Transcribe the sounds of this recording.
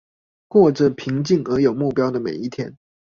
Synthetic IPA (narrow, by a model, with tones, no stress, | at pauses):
kwɔ˥˩ʈ͡ʂə˨˩pʰi˧˥ŋt͡ɕi˥˩ŋə˧˥jo˨˩ʊmu˥˩pjɑ˥ʊd̪ə˨mḛ˨˩ɪi˥˩t̪ʰjɛ˥n